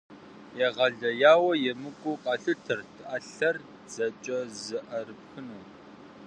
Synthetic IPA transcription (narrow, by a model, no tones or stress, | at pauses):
jɛʁɐɮɐjaːwɐjɛmɨkʷʼʊqʼɑɬɨtʰɨrtʰɨʔɐɬɐr | z̥ɐt͡ʃʼɐzɨʔɐrɨp̚xɨnoː